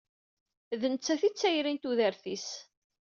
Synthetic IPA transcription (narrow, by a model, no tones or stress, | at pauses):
ðənt͡sːæθit͡sːæjɾint̪uðæɾθis